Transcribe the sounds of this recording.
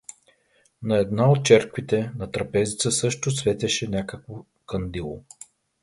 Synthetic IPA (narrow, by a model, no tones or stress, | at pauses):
nɐɛd̪naot̪̚t͡ʃɛɾkvit̪ɛnɐt̪ɾɐpɛzit̪səsɤʃt̪ʊsvɛt̪ɛʃɛnʲakəkvo | kɐnd̪ilˠo̰